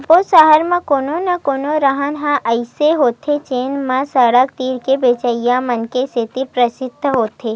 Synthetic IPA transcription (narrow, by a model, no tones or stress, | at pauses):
posəɦəɾmãkoːnonɐkoːnoɾəɦənɦãʔəɪseɦoːt̪ʰet͡ʃeːnmãsəɽək̚t̪iːɾkebeːt͡ʃəijãmənkeset̪ipɾəsɪd̪ʱːəɦoːt̪ʰeː